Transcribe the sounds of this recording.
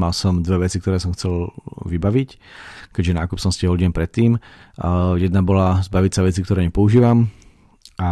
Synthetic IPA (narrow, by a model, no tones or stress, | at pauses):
malsɔmd̪ʋɛʋɛt͡sik̚t̪ɔɾɛːsɔmxt͡sɛlʋibaʋickɛɟʒɛnaːkupsɔmscɛɦɔlɟɪɛmpɾɛt̪ːiːm | jɛd̪nabɔlazbaʋisaʋɛt͡sikt̪ɔɾɛːɲɛpɔuʒiːʋam | a